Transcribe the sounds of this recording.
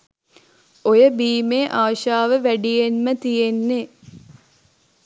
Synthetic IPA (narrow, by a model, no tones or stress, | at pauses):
ojəbiːmeːʔaːʃaːʋəʋæɖijenmət̪ijenːe